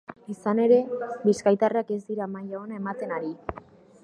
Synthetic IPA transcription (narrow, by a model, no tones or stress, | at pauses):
isane̞ɾe̞biskajt̪areake̞zd̪iɾamajao̞nae̞mat̪e̞naɾi